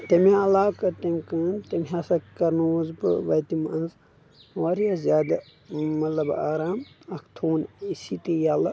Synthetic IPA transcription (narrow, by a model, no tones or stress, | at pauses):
t̪emiɐlaːkɐt̪emʲkɨːnt̪emɦɐsɐkːɐɾnuzbɨ̰ʋɐjt̪imɐnz | ʋɐɾijazjaːd̪a | mɐt̪lɐbaːɾaːmɐkʰt̪ʰuːnisit̪ijalɐ